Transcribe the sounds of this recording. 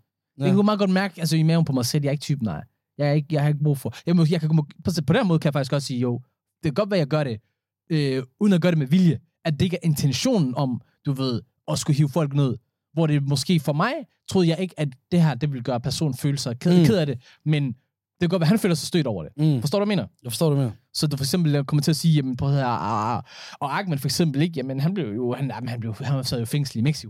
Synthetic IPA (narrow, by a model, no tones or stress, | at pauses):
ekʰækʰmɑ̈ːð̩ˠɡɒ̽d̥mæɐɡ̥ælsəimæompʰɒ̽mɑ̈ɪsel̰jɑ̈e̝ɡ̥̚t͡sʰyːbn̩ɑ̈ɪ̰ | jɑ̈ɪeɡ̥jɑɪhɑ̈e̝ɡ̥̚b̥ʁṵːfɒ̽jɑɪmɔjɑ̈ɪkʰæɡ̥mpʰɒpʰɒ̽ɾ̥enmɔːð̩ˠkʰæjɑfɑ̈ɡ̥isɡ̥ɒ̽d̥siːjoʊ̰ | d̥e̝kʰæɡ̥ɒ̽d̥ʋæjɑɪɡɶɐɾe̝ | øuːðˠn̩æɡɶːɐɾe̝meʋiljə | æ̥ːee̝ɡ̥æʔe̝nt͡sʰenɕo̝̰ːnn̩ɒ̽m | d̥uʋe̝ð̞̰ˠ | ɒ̽sɡ̥uɦiːʊfɒ̽l̰ɡ̥ne̝ð̞̰ˠ | ʋɒɾe̝mɒ̽sɡ̥e̝̰ːfɒ̽mɑ̈ɪt͡sʰʁo̝ðˠjɑɪe̝ɡ̥əædd̥e̝ɦæɐ̰d̥e̝ʋe̝lɡ̥ɶːɐpʰæɐso̝̰ːn̩føːləsɑɪkʰekʰe̝ðˠæɾ̥e̝ | men | d̥e̝ɐɡɒ̽d̥ʋæɦænføːlɐsɑsd̥ø̰ːɾɒʊɐɾ̥e̝fɒsd̥ɔ̰ːdu̥me̝ːnɐfssɒ̽dufɒ̽eɡsemb̥l̩kʰɒ̽mɐt͡sʰe̝æsiːjæmənpʰɔɐ | ɒ̽ɑ̈ɡ̥̚menfɒeɡ̥semb̥l̩e̝ɡ̥jæmənɦænb̥le̝ʊjo̝hænjamnhænb̥le̝ʊhænsæð̰ˠjofeŋ̰sl̩imeɡ̥si̥o̥